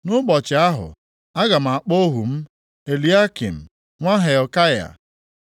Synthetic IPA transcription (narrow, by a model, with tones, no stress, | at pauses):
nʊ˦ɡ͡bɔ˨t͡ʃɪ˨a˦ɦʊ̰˨ | a˦ɡa˨m̩˨a˨k͡po˦ɦu˨m̩˦ | e˨li˨˦a˦kḭ˨m̩˨ | ŋʷa˦ɦe˨ɔ˨ka˦ja̰˨